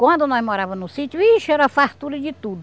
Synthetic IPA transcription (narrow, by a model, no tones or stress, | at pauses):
kwɐ̃nd̪ʊnɔzmoɾavɐ̃nʊsit̪jʊisʊɛɾɐfat̪uɾɐd͡ʒɪt̪ud̪ʊ